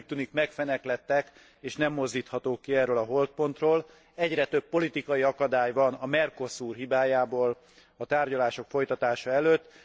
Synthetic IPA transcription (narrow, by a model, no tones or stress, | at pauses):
p̚t̪unikmɛkfɛnɛklɛt̪ːɛk | eːʃnɛmːo̞zd̪iːt̪hɒt̪oːkːiɛrøːlɒɦo̞lt̪̚po̞nt̪roːl | ɛɟrɛt̪ø̞pːo̞lit̪ikɒjiɒkɒd̪aːjvɒnɒmɛrko̞suːrɦibaːjaːboːl | ɒt̪aːrɟɒlaːʃo̞kfo̞jt̪ɒt̪aːʃɒɛløːt̪ː